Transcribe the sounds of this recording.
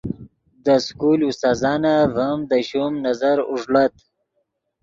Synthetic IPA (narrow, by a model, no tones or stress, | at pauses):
d̪əskulust̪aːzɑːnavamd̪əɕumnazaɾuʐɽat̪